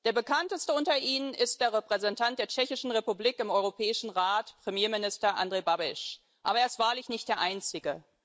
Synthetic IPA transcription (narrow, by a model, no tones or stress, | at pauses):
d̥eːɐbəkʰantəstəʊntɐʔiːnənɪst̚d̥eːɐʁɛpʁ̥ɛzɛntʰant̚d̥eːɐt͡ʃɛçɪʃn̩ʁepubliːkɪmɔʏʁopʰɛːɪʃn̩ʁaːtpʁ̥emjeːmɪnɪstɐʔa̰ndʁeːbabɪʃ | ʔa̰ːbɐeːɐɪstv̥aːɐlɪçnɪçtd̥eːɐʔaɪnt͡sɪɡə